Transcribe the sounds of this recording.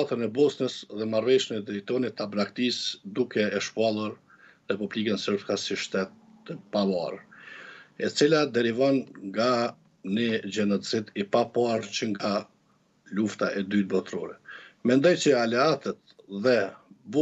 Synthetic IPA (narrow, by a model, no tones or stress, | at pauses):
t̪ənɛbɔsnəsðɛmaɾvɛʃənɛd̪ɛit̪ɔnit̪abɾakt̪isd̪ukɛːʃpalˠuɾ | ɾɛpubliɡənsəɾbkasiʃt̪ɛt̪ː | əpavɑ̰r | ɛt͡silad̪ɛɾivɔnŋɡa | nid͡ʒɛnɔt͡sit̪ipapaɾt͡ʃəŋɡa | luft̪aʔɛd̪yt̪̚bɔt̪ɾɔɾɛmɛnd̪ɔjt͡ʃəalɛat̪ət̪̚ðɛbɔ